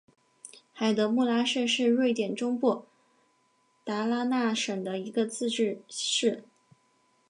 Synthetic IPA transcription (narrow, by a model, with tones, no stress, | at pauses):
xa˨˩ɪd̪ɤ˧˥mu˥˩la˥ʂɤ˥˧ʂɻ̩˥˧ɻwe˥˩ɪt̪jɛ˨˩nʈ͡ʂʊ˥ŋpwɔ˥˩ | t̪a˧˥la˥na˥˩ʂɤ˨˩ŋd̪ə˦i˧˥ɡə˧t͡sɹ̩˥˧ʈ͡ʂɻ̩˥˧ʂɻ̩˥˩